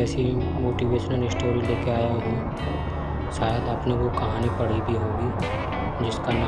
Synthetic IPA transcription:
ɛːsi | moːʈiʋeːʃənəlɪsʈoːɾileːkeaːjaɦũː | ʃaːjəd̪aːpneʋokɐɦaːnepɐɽ̤ibʱiɦõːɡi | d͡ʒɪskana

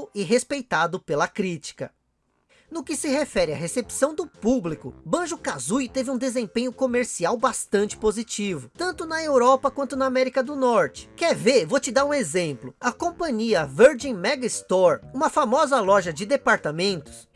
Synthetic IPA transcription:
wɪɦespejt̪ad̪ʊpelɐkɾit͡ʃi̥kɐ | nʊkɪsɪhefɛɾɪɐɦesepsɐ̃w̃d̪ʊpublikʊbɐ̃ʒʊkazujt̪evɪũd̪ezẽpẽɲʊkomeɾsiawbast̪ɐ̃nt͡ʃɪ̥pozit͡ʃivʊt̪ɐ̃nt̪ʊnɐewɾɔpɐkwɐ̃nt̪ʊnɐamɛɾikɐd̪ʊnɔɾt͡ʃɪ̥kɛɾveɾvot͡ʃɪd̪aɾũezẽmplʊɐkõpɐ̃ɲiɐveɾd͡ʒẽjmɛɡɪst̪ɔɾũmɐfamɔzɐlɔʒɐd͡ʒɪd̪epaɾt̪amẽnt̪ʊ̥s

